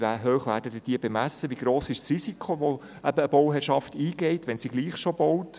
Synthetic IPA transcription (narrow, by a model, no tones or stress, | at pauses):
væːɦøːχʋæːɾdədəd̥iəbemæsːəʋiɡ̥ɾoːsɪʃsrisikχoʋo | ʔæbəːbɔwɦɛːɾʃɑftiːɡ̥ɛɪtʋɛnsiɡliːχʃobɔwt